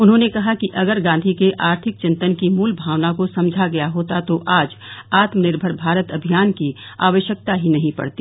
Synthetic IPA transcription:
ʊnɦõːnekɐɦakiʔɐɡəɾɡãːnd̪ʱikeʔaːɾt̪ʰɪk̚t͡ʃɪ̃nt̪ənkimuːlbʱaːʋnakosɐ̃md͡ʒʱaɡɐjaɦoːt̪at̪oʔaːd͡ʒaːt̪mnɪɾbʱəɾbʱaːɾət̪ɐbʱijaːnkia̰ːʋəʃjək̚t̪aɦinɐɦĩpɐ̰ɽt̪iː

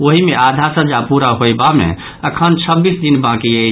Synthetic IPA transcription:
oɦimead̪ʱasəd͡ʒapuɾaɦojbamḛ̃ | əkʰənt͡ʃʰəbːisd̪inbãkiə

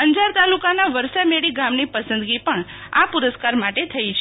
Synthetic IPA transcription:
əɲd͡ʒaɾt̪alukanaʋəɾsameɭiɡamnipəsənd̪ɡipəɳapuɾəskaɾmaʈet̪ʰəit͡ʃʰ

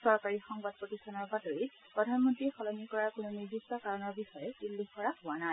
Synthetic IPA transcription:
sɔɹkaɹixɔŋbad̚pɹotisɔnɔɹbatoɹi | pɹɔdʱanmɔntɹixɔlɔnikɔɹaɹkʊnuniɹbistɔkaɹɔnɔɹbixɔjɛdilːuxkɔɹaɦʊanaj

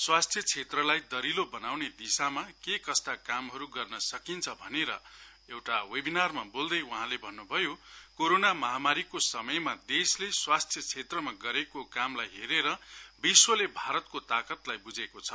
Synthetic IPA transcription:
swast̪ʰjʌt͡sʰet̪rʌlajd̪ʌɾilobʌnawned̪isamakekʌst̪akamɦʌɾuɡʌrnʌsʌkint͡sʰʌbʱʌneɾʌ̰ | ewʈawebinarmabold̪ʌjuɦãlebʱʌnːubʱʌjokoɾonamʌɦamaɾikosʌmʌjmad̪esleswast̪ʰjʌt͡sʰet̪rʌmaɡʌɾekokamlajɦeɾeɾʌbiswʌlebʱaɾʌt̪kot̪akʌt̪lajbud͡zekot͡sʰʌ

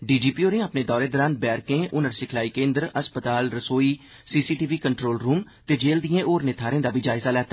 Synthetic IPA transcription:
ɖiːd͡ʒiːpiːoːɾẽːapneːd̪ɔːɾeːd̪əɾãːn̚bɛːɾkẽːʔʊnəɾsɪkʰlaːiːkẽːnd̪ɾəspət̪aːlɾəsoːiː | siːsiːʈiːʋiːkəɳʈɾoːlɾuːm | t̪eːd͡ʒeːld̪iẽːʔoːɾnɪt̪ʰaːɾẽːd̪aːbʱiːd͡ʒaːɪzaːlɛːt̪aː

